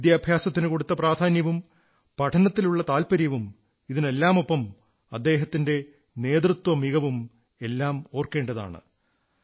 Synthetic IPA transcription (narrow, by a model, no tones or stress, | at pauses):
id̪jaːbʱjaːsɐt̪ːinɨko̞ɽut̪ːɐpraːd̪ʱaːnjɐʋum | pɐʈʰɐnɐt̪ːiluɭːɐt̪aːlpɐɾjɐʋum | iðine̞lːaːmo̞pːɐm | ɐd̪ːe̞ːɦɐt̪ːinde̞ | ne̞ːd̪rut̪wɐmiɣɐʋum | e̞lːaːmo̞ːrke̞ːɳɖɐða̰ːɳɨ̰